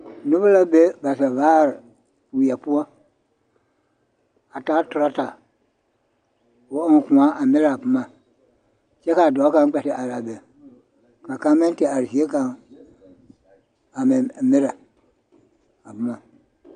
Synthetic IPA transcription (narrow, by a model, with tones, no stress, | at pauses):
nu˦bə˦la˦be˦ba˨sɛ˨va˦˨ɾ | fu˨ja˨pu˦a˦ | a˨ta˨˦tu˨ɾa˦ta˨ | wo˨˦ɔ˦ŋ˦kũ˨ã˦ʔa˨me˦ɾa˨a˨pɨ˦ma˨ | t͡ʃɛ˦ka˨dɔ˨˦kã˦ŋ˦k͡pɛ˨tɪ˨ʔa˨ɾa˨be˨ | ka˨ka˦mɛ̃˦n˦te˨a˨ɾsi˨e˦ka˨ŋ | a˨mɛ˨me˦ɾa˨ | a˨pu˨˦mã˨